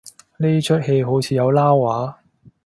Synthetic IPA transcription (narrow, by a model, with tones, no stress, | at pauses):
niː˥t͡ʃʰɵ˥t̚he˧jɦo˨˥wt͡sʰiː˧jɐ˨˧wlaː˥wwaː˨˥